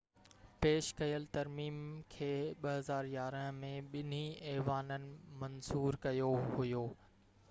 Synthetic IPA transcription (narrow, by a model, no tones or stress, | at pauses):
peːʃkɐjəlt̪ɐɾmiːmkʰeːɓɐɦɐzaːɾjaːɾəɦmẽɓɪn̤iɛːʋaːnənɪ̆mɐnzuːɾkɐjoɦʊjoː